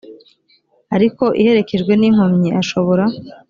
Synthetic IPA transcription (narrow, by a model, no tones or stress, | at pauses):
aɾiko̞ʔḭhe̞ɾe̞ke̞ʒɡwe̞niŋ̥omɲiaʃo̞βo̞ɾa